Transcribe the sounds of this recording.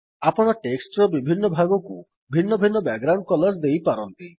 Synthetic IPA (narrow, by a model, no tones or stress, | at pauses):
apɔɽ̃ɔʈeksʈɾɔbibʱinːɔbʱaɡɔkṵ | bʱinːɔbʱinːɔbɛɡɾaw̃ɳɖ̚kɔlɔɾd̪ejpaɾɔnt̪i